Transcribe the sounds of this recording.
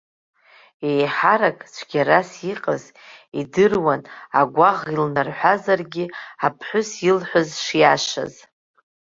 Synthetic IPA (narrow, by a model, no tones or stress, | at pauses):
ejħaɾakʼt͡ʃʷʰɡʲaɾasiqʼəz | idɨrwanaɡʷaʁilnarħʷazarɡʲiapʰħʷʊsjilħʷʊzʂjaʃa̰z